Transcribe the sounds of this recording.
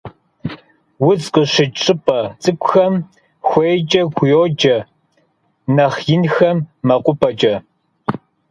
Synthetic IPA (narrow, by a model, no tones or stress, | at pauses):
wʊt͡sqʼəɕɪt͡ʃʼɨpʼɐt͡sʼɨkʷʼʊxɐm | xʷejt͡ʃʼɐɡʷjoːd͡ʒʼɐ | nɐχjɪnxɐmːɐqʷʼʊpʰʼɐt͡ʃʼɐ